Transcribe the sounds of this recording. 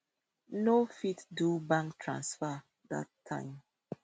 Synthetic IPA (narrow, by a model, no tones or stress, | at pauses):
nofitdubãŋktʰɹã̰nsfa | da̰tʰːã̰ɪ̃m